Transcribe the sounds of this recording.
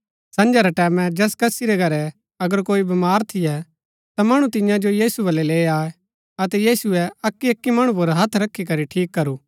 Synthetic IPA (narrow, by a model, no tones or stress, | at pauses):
sɐ̃nd͡ʒaɾɛʈɛːmɛ̃d͡ʒɛːskɐsiɾɛɡʱɐɾɛ | ɐɡəɾkoːibɐmaːɾt̪ʰɪjɛ | t̪amɐɽ̃ũt̪ɪjãd͡ʒojiːsubɐlːɛleːaːɛ | ɐt̪ɛjiːsuɛɐkːiɐkːimɐɽ̃ũp̬ʊɾɦɐt̪ʰɾɐkʰːikɐɾiʈʰiːkːɐɾuː